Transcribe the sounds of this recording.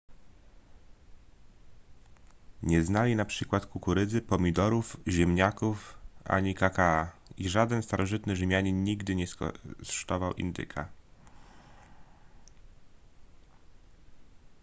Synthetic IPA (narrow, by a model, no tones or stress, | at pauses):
ɲɛznalʲinapʂɘkwat̪kukuɾɘd̪zɘpɔmʲid̪ɔɾufʑɛmɲakufʔa̰ɲikakaa | iʐad̪ɛnst̪aɾʔɔʐɘt̪nɘʐɘmʲjaɲɛɲiɡd̪ɘɲɛssʂt̪ɔvawʔḭnd̪ɘ̰kʰa